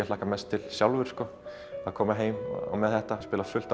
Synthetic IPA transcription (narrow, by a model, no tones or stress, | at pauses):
ɛlaːkamɛst̪ʰːɪlsjawlvʏɾ̥skɔ | akʰɔːmaɦeːjm̰ɔ̰mɛðθɛht̪aspɪːlafʏl̥t̪a